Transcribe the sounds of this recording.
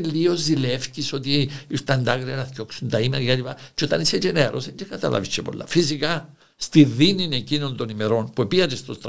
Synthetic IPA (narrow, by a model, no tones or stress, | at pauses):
lːiozːilefciso̞t̪iist̪ɐnd̪aɣɾiɐnɐθco̞ksunt̪ɐimeɾɐkeelipɐt͡ʃo̞t̪ɐnised͡ʒeneɾo̞̰send͡ʒekɐt̪ɐ̰lʔɐ̰vit͡ʃːepo̞̰lːɐ̰fisikɐ | st̪iðinine̞cino̞nd̪o̞nimeɾo̞npuepiɐt̪est̪ost̪ɾ